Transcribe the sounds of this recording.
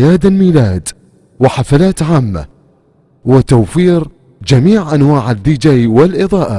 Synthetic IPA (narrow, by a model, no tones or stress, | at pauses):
jaːd̪almiːlaːd̪ | wɪħafalaːt̪ʕaːmːa̰ | wɪt̪awfiːɾ | d͡ʒamiːʕʔanwaːʕad̪ːid͡ʒaːwɪlʔɪðˤɑːʔa